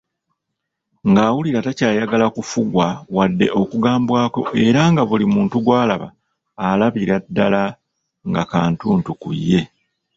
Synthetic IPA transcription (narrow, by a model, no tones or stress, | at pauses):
ŋɡaːwuliɾatacaːjaɡalakufuɡwawadːe̞ʔo̞kuɡaːmbwaːko̞ʔe̞ɾaŋɡaβulimuːntuɡwaːlaβa̰ː | laβiɾadːala | ŋɡakaːntuːntukṵjːe̞